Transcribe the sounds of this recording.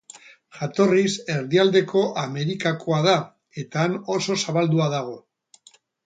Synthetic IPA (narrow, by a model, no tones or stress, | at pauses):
ʝat̪o̞rise̞ɾðiald̪e̞kʰo̞ʔame̞ɾikakʰo̞að̞a | e̞t̪aːno̞so̞saβald̪uað̞aɣ̞o̞